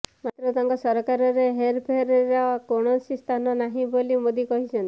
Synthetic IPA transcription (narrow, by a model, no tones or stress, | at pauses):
mat̪ɾɔt̪aŋkɔsɔɾɔkaɾɔɾeɦeɾpʰeɾeɾɔkoɽ̃ɔsist̪ʰanɔnaɦĩbolimod̪ikɔɦit͡ʃʰɔnt̪i̥